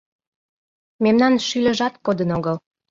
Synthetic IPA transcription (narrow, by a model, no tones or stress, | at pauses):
memnɑnʃylʲə̆ʒɑt̪kod̪ənoɣəl